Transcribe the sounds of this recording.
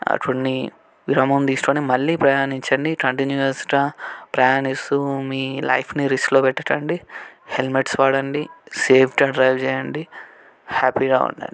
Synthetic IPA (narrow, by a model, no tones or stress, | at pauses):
ɐ̰ʈʋɐnːi | ʋiɾɐːmɐmd̪iːsʈoːnimɐlːiːpɾɐjaːniɲt͡ʃɐɳɖikɐɳʈinjuɐsʈaːpɾɐjaːnist̪umiːlɐ̰jpʰniɾisʈloːpɛʈːɐʈɐɳɖihelmeʈsʋaːɽɐɳɖiseːpʰʈɐɖɾɐjʋt͡ʃɛːjɐɳɖi | haːpiɡaːṵɳʈa̰ɳi